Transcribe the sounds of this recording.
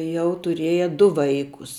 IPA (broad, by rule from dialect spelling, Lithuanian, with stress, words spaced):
ˈjɛʊ tʊˈrʲiɛjɛ ˈdʊ ˈʋɐɪkʊs